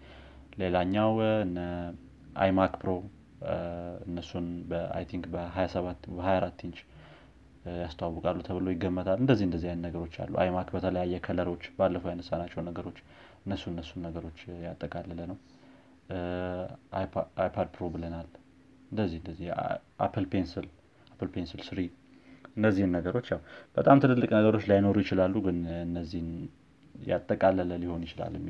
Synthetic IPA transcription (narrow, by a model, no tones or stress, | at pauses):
le̞laɲːawɨnə | ʔa̰jmakpʰɾo̞ | ɨnːəsːunbəa̰jt̪ʰiŋkbəɦajasəβabəhajaɾat̪ːint͡ʃ | jast̪ʰawawːəkʼalːut̪ʰəβɨlo̞jɪɡːəmːət̪ʰalɨnd̪əzːihɨnd̪əzːijajnnəɡəɾo̞t͡ʃːa̰lːṵʔa̰jmakbət̪ʰələjajːɛkʰələɾo̞t͡ʃːbalːəfowjanəsːanat͡ʃːɛwnːəɡəɾo̞t͡ʃː | ɨnːəsːunɨnːəsːunːəɡəɾo̞t͡ʃːjat̪ʼːəkʼalːələnəw | jajpʰad̪̚pʰɾo̞bɨlənal | ɨnd̪əzːihɨnd̪əzːihʔa̰pʰɨlpʰensɨl | apʰɨlpʰensɨlsɨɾi | ʔɨndəzːihɨnːəɡəɾo̞t͡ʃːjawb̥ət̪ʼamt̪ʰɨnɨlːɨkʼnəɡəɾo̞t͡ʃːlajno̞ɾujɪt͡ʃɪlalːuɡɨnɨnːəzːihɨn | ja̰t̪ʼːəkʼalːələliho̞njɪt͡ʃɪla̰lːmːi